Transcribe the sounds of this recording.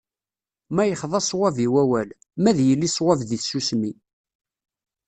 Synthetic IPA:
mæjəχðˤɑsˤwæviwæwæl | mæðjəlːisˤwævðiθsusmi

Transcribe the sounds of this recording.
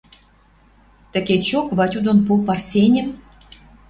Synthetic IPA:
t̪ə̆ket͡ɕokβɑtʲud̪onpupɑrsʲenʲɘ̆m

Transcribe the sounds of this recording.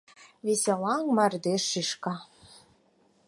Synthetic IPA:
βesʲelɑŋmɑrd̪eʃːiʃkɑ

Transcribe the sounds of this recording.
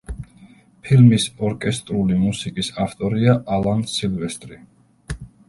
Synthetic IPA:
pʰilmisɔɾkʼɛst̪ʼɾulimusikʼisaft̪ʼɔɾiaʔalˠansilvɛst̪ʼɾi

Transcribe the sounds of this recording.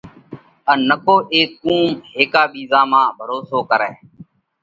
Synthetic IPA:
ənːəkoːʔeːskũːmeːkaːɓiːzaːmãːbʱəɾoːsoːkəɾɛː

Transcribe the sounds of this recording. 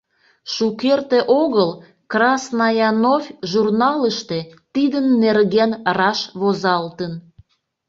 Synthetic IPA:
ʃukert̪eʔoɣəl | krɑsnɑjɑnofʲʒurnɑləʃt̪et̪id̪ənːerɣenrɑʃβozɑlt̪ən

